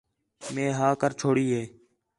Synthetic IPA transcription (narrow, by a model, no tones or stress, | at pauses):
mẽːɦaːkəɾt͡ʃʰoːɽiːɦeː